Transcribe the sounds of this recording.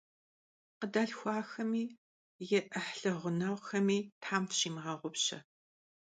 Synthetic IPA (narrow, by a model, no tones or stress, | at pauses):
qədɐɮxʷɑːxɐmiː | jɛʔɐħɬɐʁʷʊnɐwʷxɐmiːtʰħaːmtɕiːmʁɐʁʷʊpɕɐ̰